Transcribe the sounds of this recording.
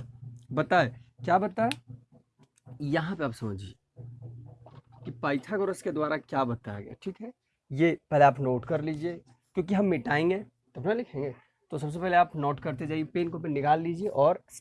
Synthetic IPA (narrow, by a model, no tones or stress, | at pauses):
bɐt̪aekjaːbɐt̪ae | jɐɦãpeaːpsɐməd͡ʒie | kipaːɪʈʰakoɾəsked̪waːɾakjabɐt̪aa̰ɡ̰a̰ʈʰiːkɦɛ | jepɛɦleaːpnoːʈkɐɾliːd͡ʒie | kjõːkiɦɐmːɪʈaːẽŋɡe | t̪ɐbnalɪkʰẽːŋɡe | t̪osɐbs̬epɛɦleaːpnoːʈkɐɾt̪ed͡ʒaːɦiepeːnkopenɪkaːlːiːd͡ʒieʔɔːɾ